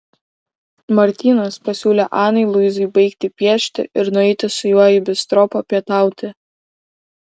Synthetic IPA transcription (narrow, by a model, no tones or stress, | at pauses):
mɐɾʲt̪ʲiːnɐspɐsʲuːlʲeʔɑːnɐɪlˠʊjzʊɪbɐɪkt̪ʲɪpʲiɛʃʲt̪ʲɪ̰ʔɪɾnʊɛɪt̪ʲɪsʊjuɔjɪbʲɪst̪ɾɔpɐpʲiɛt̪ɑˑʊt̪ʲɪ